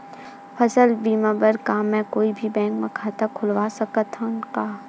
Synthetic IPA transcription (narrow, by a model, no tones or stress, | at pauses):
pʰɐsəlbiːmãbəɾkaːmɛ̃koːibʱibɛ̃ːŋkmãkʰaːt̪akʰʊlʋaːsɐkat̪ʰaʊnkaː